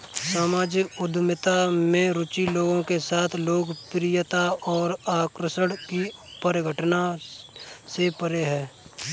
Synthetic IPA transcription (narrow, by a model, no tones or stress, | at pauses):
saːmaːd͡ʒkʊd̪ʱmɪt̪amẽɾʊt͡ʃiloːɡõkesaːt̪ʰloːɡpɾɪjət̪aɔːɾaːkɾəsəɽkipəɾɪɡʱəʈna | sepəɾeɦɛː